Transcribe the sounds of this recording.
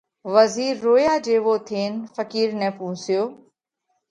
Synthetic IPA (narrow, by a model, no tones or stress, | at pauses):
ʋəziːɾːoːjaːd͡ʑeːʋoːt̪ʰeːnfəkiːɾnɛ̃ːpũːsɪjoː